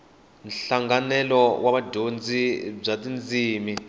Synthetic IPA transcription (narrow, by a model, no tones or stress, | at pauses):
nɬaŋɡanɛlɔwʔaɓadʱond͡zʱib͡ʐatʼind͡zʱiːmi